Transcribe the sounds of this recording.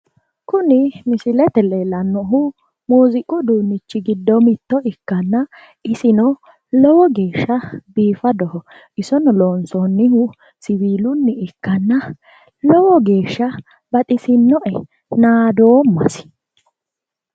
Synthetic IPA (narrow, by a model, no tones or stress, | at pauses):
kʊnɪmɪsɪlɛt̪ɛlelɐnːɔɦʊ | muːzɪkʼːɔd̪uːnːɪt͡ʃːɪɡɪd̪ːɔmɪt̪ːɔʔɪkːɐnːɐ | ɪsɪnɔ | lɔwɔɡe̞ːʃːɐbiːfɐd̪ɔhɔ | ʔɪsɔnloːnsɔnːɪhʊ | sɪβiːlʊnːɪɪkːɐnːɐ | lɔwɔɡe̞ːʃːɐ | bɐt̪ʼɪsɪnːɔʔɛ | naːd̪oːmːɐ̰sɪ̥